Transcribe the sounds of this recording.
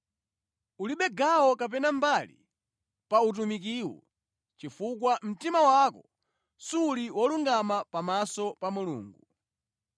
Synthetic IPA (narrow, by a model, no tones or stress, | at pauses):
uliɓɛɡawɔkap̬ɛnambalḭ | paut̬umik̬iːwɔ̰ | t͡ʃifukwam̩timawakɔ | suːliwɔluŋɡamapamasɔpamulṵːŋɡu